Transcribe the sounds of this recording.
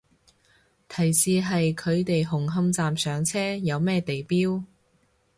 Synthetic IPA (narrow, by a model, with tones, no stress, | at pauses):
t̪ʰɐ˨˩jsiː˧ɦɐ˨jkʰɵ˨˧ɥt̪e˨jɦʊ˨˩ŋɦɐ˧mt͡saː˨msœː˨˧ŋt͡sʰɛː˥jɐ˨˧wmɛː˥t̪e˨jpiː˥w